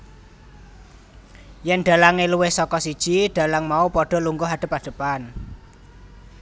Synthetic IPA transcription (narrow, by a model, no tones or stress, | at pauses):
jɛnɖ̥a̤laŋeluwɪhsɔkɔsid̥ʒ̥iɖ̥a̤laŋmaupɔɖ̥ɔ̤luŋɡʊɦaɖ̥ə̤paɖ̥ə̤pan